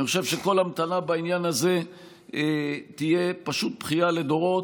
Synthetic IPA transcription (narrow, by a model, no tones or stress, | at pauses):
niχoʃe̞vʃe̞ko̞lamt̪anabainjanaze̞ | t̪ije̞paʃut̪̚pχijale̞d̪o̞ʁo̞t